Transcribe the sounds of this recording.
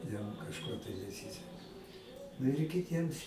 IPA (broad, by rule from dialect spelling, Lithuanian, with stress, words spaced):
ˈjɛm kɐʃˈkoː tɐɪ nʲɛˈsʲiːsʲɛkɐ nʊ ɪr kʲɪˈtʲiɛms